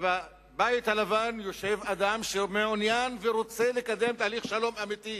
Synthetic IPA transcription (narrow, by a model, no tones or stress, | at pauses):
va | bait̪halavanjo̞ʃevad̪amʃemeonjanveɾo̞t͡se̞lekad̪emt̪aːliχʃalo̞mamit̪i